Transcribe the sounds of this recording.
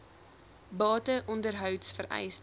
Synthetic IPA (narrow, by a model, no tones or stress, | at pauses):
bɑːtəʔɔndərɦœwtsfəɾɛ̰js